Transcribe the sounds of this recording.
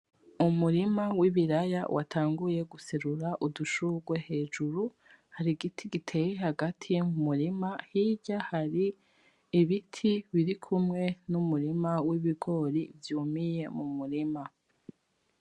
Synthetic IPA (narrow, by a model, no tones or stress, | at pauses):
umuɾimawiβiɾajawʔa̰tʰaːŋɡuje̞ɡuseɾuɾaʔuduʃuɡwe̞he̞ːʒuɾu | haɾiɡitʰiɡitʰe̞jehaɡatʰijemumuɾimahiɟahaɾiː | βitʰiβiɾikʰumŋe̞numuɾimawiβiɡo̞ɾivjuːmije̞mumuɾima